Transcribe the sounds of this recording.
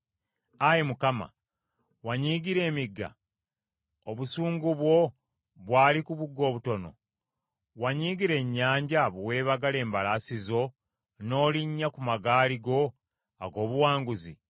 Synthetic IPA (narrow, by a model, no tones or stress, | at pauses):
ajemukama̰ | waɲiːɡiɾe̞ːmiɡːa̰ | oβusuːŋɡuβwo̞ | βwaːlikuβuɡːo̞ːβuto̞no̞̰ | waɲiːɡiɾe̞ɲːaːɲɟaβuwe̞ːβaɡale̞ːmbalasizo̞ | no̞ːliɲːakumaɡaːliɡo̞ | a̰ɡo̞ːβuwaːŋɡuzḭ